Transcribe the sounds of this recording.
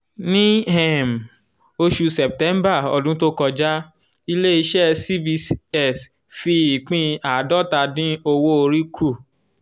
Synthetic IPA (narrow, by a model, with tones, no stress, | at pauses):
nĩ˦ɦɛ˦˨m˨ | o˧ʃu˧sɛ˨p̚tɛ̃˨˦mba˦˨ɔ˧˨dũ˦to˦kɔ˧d͡ʒa˦ | i˧le˦i˧ʃɛ˦si˦bi˧sɛ˦˨s | fi˧i˨k͡pĩ˧a˨dɔ˦˨ta˧dĩ˦o˧wo˦o˧ɾi˦kʰu˦˨